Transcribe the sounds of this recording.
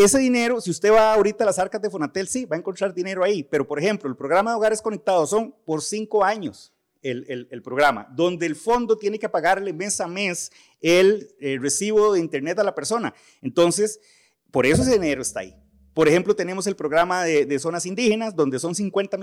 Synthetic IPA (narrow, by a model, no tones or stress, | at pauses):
e̞se̞ðine̞ɾosiust̪e̞βaːoɾit̪aːlasaɾkazd̪efonat̪e̞lsibaeŋkont̪ɾaɾd̪ine̞ɾoaipe̞ɾopo̞ɾexe̞mploelpɾo̞ɣɾamaðeoaɾesko̞nek̚t̪aðoso̞ŋpoɾsiŋkoaɲos | elelelpɾoɣɾama̰d̪o̞nd̪eːlfo̞nd̪ot̪je̞neke̞paɣaɾleme̞same̞s | elere̞siβoðeint̪e̞ɾne̞t̪alape̞ɾso̞na̰ | ent̪o̞nses | poɾe̞soeseðineɾoest̪a̰ːi | poɾexe̞mplot̪e̞ne̞mos̬e̞lpɾoɣɾamaðeðeso̞nasind̪ixe̞nasd̪o̞nd̪eso̞nsiŋkwe̞nt̪am